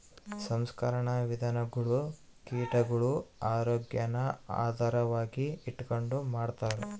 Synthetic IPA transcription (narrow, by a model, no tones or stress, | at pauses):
sɐmskɐɾɐɳɐʋid̪ʱɐnɐɡɐɭu | kiːʈɐɡɐɭuaːɾoːɡjɐnɐa̰ːd̪ʱaːɾɐʋaːɡiiʈːko̞ɳɖumaːɖt̪aːɾe